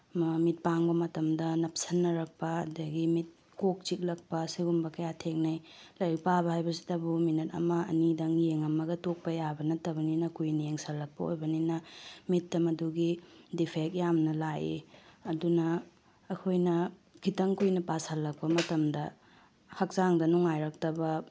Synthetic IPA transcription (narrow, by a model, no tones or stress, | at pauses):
mit̚paŋbɐmɐtɐmdɐnɐp̚sɐnːɐɾɐk̚pɐ̰ːdɐɡimit̚ | kok̚t͡ʃik̚lɐk̚pɐsiɡumbɐkɐjatʰeŋ̚nɐjlɐjpabɐhajbɐsi̥dɐbuminɐtɐ̰mɐɐ̰nidɐŋjeŋɐmɐɡɐtok̚pɐjabɐnɐtɐbɐninɐkujnɐjeŋsɐlːɐk̚pɐ̰o̰jbɐninɐmitːɐmɐduɡidipʰek̚jamnɐlajḭɐdunɐː | kʰojnɐkʰitɐŋkujnɐpasɐlːɐk̚pɐmɐtɐmdɐ | hɐk̚zaŋdɐnuŋajɾɐk̚tɐbɐ